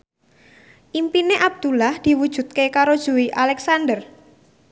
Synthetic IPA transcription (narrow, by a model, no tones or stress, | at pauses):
ʔimpineʔab̚d̪̥ulahd̪̥i̤wud̥ʒ̥ṳt̪̚kekaɾod̥ʒ̥ṳwiʔalɛksandər